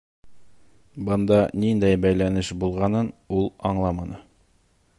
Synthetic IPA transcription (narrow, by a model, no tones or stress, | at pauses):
bɤ̆nd̪ɑnind̪æjbæjlænɘʃbulˠʁɑnɤnulˠɑɴlˠɑmɑnɤ